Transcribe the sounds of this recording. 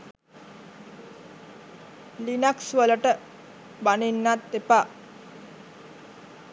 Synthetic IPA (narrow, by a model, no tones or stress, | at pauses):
linaksʋələʈə | baninːat̪ːepa